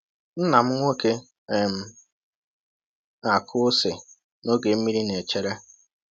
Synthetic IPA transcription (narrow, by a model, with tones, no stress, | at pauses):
n̩˦na˨m̩˦ŋʷo˦ke˦˨ | m̩˨ | a˨kʰʊ˦sɪ˨ | no˦ɡe˨m̩˦mi˦ɾi˦ne˨t͡ʃe˨ɾe˦